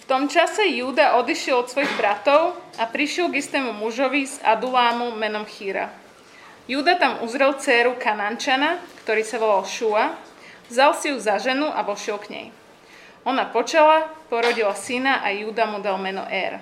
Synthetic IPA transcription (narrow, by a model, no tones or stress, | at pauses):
ft̪ɔmt͡ʃasɛjuːd̪aʔɔd̪iʃɪɛlˠɔt̪sʋɔjiɣbɾat̪ɔʊapɾiʃɪɛlɡist̪ɛːmumuʒɔʋiza̰d̪ulaːmumɛnɔmxiːɾa̰ | juːd̪at̪amuzɾɛlˠt͡sɛːɾukanaːnt͡ʃanakt̪ɔɾiːsaʋɔlalʃua | vzalˠsijuzaʒɛnuʔaʋɔʃɪɛlkɲɛ̰j | ɔnapɔt͡ʃɛlapɔɾɔɟilasinaʔajuːd̪amud̪almɛnɔ̰ʔɛɾ